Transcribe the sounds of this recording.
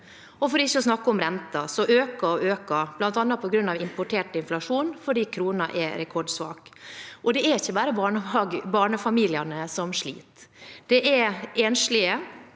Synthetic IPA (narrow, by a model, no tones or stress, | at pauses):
ɔfɔɖiːɪçːəɔsnɑkːəɔmɾɛnt̪ɑsɔʔøːkɑɔʔøːkɑb̥lɑnt̪ɑnːɑt̪̚pʰɔɡɾʉnːɑʋɪmpʊʈʰeːʈɪnflɑʂuːnfɔɖiːkʰɾuːnɑʔɛɾɛkʰɔɖsʋɑ̰ːkʔɔd̪ɛæɾɪçːəbæːɾəbɑɳəɑɡbɑːɳəfɑmiːlɪɑnəsɔmʂlḭːt̪d̪̥ɛʔɛɾɛːnʂlɪə